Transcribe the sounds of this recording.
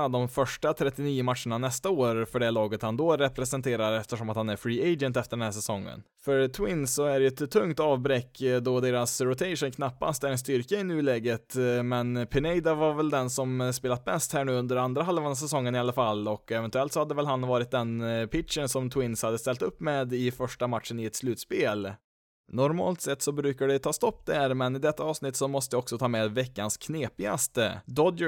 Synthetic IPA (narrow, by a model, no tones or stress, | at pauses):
ad̪ɔmfœʂʈat̪ʰɾɛt̪ːɪniːʊmat̪ʂəɳanɛst̪aoːɾfœɖɛlɑːɡət̪hand̪ɔɾɛpɾɛsɛnt̪ʰeːɾaɾɛft̪əʂɔmat̪hanæɾfɾiːeɪd͡ʒənt̪ɛft̪əɖɛnhæːʂɛsɔŋːə̰n | fœɾt̪ʰwɪnsːɔæɖɛjʉɛt̪t̪ʰːɵŋt̪ɑːvbɾɛkːd̪ɔd̪eːɾasɾʊt̪ʰɛɪʂənkʰnapːa̰st̪æɾɛnst̪ʏɾkaɪnʉːlɛɡət̪mɛnpʰɪnɛɪd̪avaɾvɛld̪ɛnsɔmspeːlat̪̚bɛst̪hæːɳʉːɵnd̪əɾand̪ɾaɦalvand̪asɛsɔŋːənɪalːafalːɔkɛvɛnt̪ʉɛlt̪sɔhad̪ːəvɛlɦanvɑːɾɪt̪̚d̪ɛnpʰɪt̪ʂənsɔmt̪ʰwɪnshad̪ːəst̪ɛlt̪ɵpːmeːd̪ɪfœʂʈamat̪ʂənɪɛt̪slʉ̟ːt̪speːl | nɔɾmɑ̰ːlt̪sɛt̪ːsɔbɾʉ̟ːkaɖɛt̪ʰɑːst̪ɔpːd̪æɾmɛnɪd̪ɛt̪ʰːaɑːvsnɪt̪ːsɔmɔst̪əjɪɔksɔt̪ʰɑːmɛːd̪vɛkːanskʰneːpɪɡa̰st̪ə̰d̪ɔd̪